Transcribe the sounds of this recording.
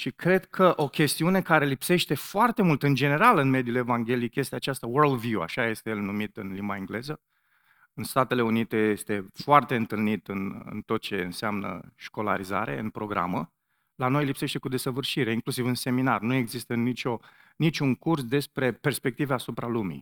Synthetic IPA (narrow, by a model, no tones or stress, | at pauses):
ʃikɾe̞d̪kʰəʔo̞kʲe̞st̪iune̞kaɾe̞lipse̞ʃt̪e̞foart̪e̞mult̪ɨnd͡ʒe̞ne̞ɾalɨnme̞d̪ijule̞vaŋɡʲe̞likje̞st̪eat͡ʃast̪awərld̪vjua̰ʃaje̞st̪ejelnumit̪ɨnlimbaeŋɡle̞zə | ɨnst̪at̪e̞le̞unit̪e̞je̞st̪e̞foart̪e̞ɨnt̪ɨlnit̪ɨnɨ̰nt̪o̞t̪̚t͡ʃe̞ɨ̰nseamnə̰ʃko̞la̰ɾiza̰ɾe̞̰ɨ̰npɾo̞ɡɾa̰mə | lano̞jlipse̞ʃt̪e̞kud̪e̞səvɨrʃiɾe̞iŋklusivɨnse̞minarnue̞ɡzist̪ənit͡ʃo̞ | nit͡ʃʲuŋkursd̪e̞spɾe̞pe̞rspe̞k̚t̪iveasupɾalumḭ